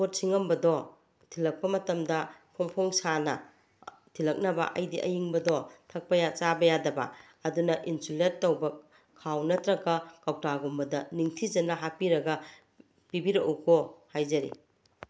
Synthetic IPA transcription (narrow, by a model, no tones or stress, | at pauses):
pot̚siŋɐmbɐdɔ | tʰilɐk̚pɐmɐtɐmdɐpʰoŋpʰoŋsanɐ | tʰilɐk̚nɐbɐ̰ʔɐjdiʔɐjiŋbɐdɔtʰɐk̚pɐjat͡ʃabɐjadɐbɐ̰ | ɐdunɐʔinsuletːɐwbɐ | kʰawnɐtɾɐɡɐkawtaɡombɐdɐniŋtʰizɐnɐɦapiɾɐɡɐ | pibiɾɐʔukʰohajzɐɾḭ